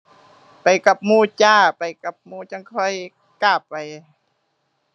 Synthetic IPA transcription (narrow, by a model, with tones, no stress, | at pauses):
pa˨jka˧˩p̚muː˧˩t͡ɕaː˧˩pa˨jka˨˩p̚muː˧˨t͡ɕa˧˥˨ŋkʰɔ˧˥˨j | kaː˧˩p̚ːa˨j